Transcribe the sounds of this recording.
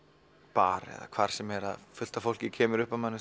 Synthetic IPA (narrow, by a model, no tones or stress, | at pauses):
paːɾɛ̰ða̰kʰv̥aɾ̥sɛmɛɾa̰ðfʏl̥t̪afowl̥cɪcʰɛːmɪɾʏhpavmanːɪ